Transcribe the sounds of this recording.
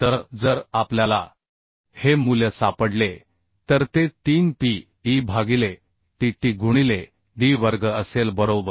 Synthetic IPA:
t̪əɾd͡zəɾapljala̰ | hemuləsapəɽle | t̪əɾt̪et̪iːnpi | ibʱaɡile | ʈiʈiɡʱuɽ̃ile | ɖiʋəɾɡəəselbəɾobəɾ

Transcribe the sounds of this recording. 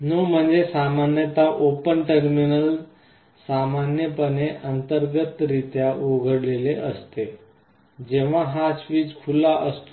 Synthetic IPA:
nom̤əɳd͡zesamanjət̪aʔopənʈəɾminəl | samanjəpəneʔənt̪əɾɡət̪ɾit̪jaoɡʱəɽleleʔəst̪e | d͡ʑeʋ̤aɦasʋiːd͡zkʰulaʔəst̪

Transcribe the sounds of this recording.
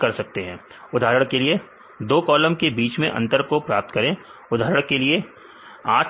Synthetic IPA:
kɐɾsɐk̚t̪eɦɛ̃ː | ʊd̪ʱaːɾəɽ̃kelie | d̪oːkɔːləmkebiːt͡ʃmẽʔɐ̰̃nt̪əɾkopɾaːp̚t̪kɐɾẽːʊd̪ʱaːɾəɽ̃kelie | aːʈ

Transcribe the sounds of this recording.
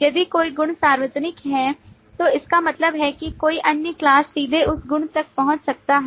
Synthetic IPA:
jɐd̪ikoːiɡʊɳ̃saːɾʋəd͡ʒnɪkɦɛ | t̪oːɪskamɐt̪ləbɦɛkikoːiʔɐnjəklaːsːiːd̪ʱeʊsɡʊɳ̃t̪ɐk̚pɐɦʊ̃t͡ʃsɐk̚t̪aɦɛ

